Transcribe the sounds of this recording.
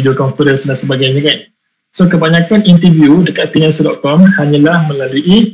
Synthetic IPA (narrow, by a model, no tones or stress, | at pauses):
diokɔnfəɾənsdansəbaɡajɲãkan | sokəbaɲãkanint̪əvjudəkat̪̚finãnsəldɔt̪̚kɔmhaɲãlahmə̃laluʔi